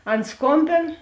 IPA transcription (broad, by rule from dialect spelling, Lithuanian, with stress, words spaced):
ˈɐn ˈskoːmʲbʲeːn